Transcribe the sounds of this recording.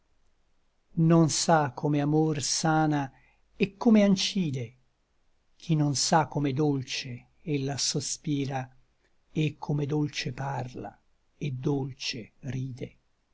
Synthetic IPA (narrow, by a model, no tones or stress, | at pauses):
nonsakʰːomeamorsaːna | ekʰːomeant͡ʃiːd̪e | k̟ʰinonsakːomed̪olt͡ʃe | elːasospiːɾa | ekʰːomed̪olt͡ʃeparla̰ | ed̪ːolt͡ʃeriːd̪e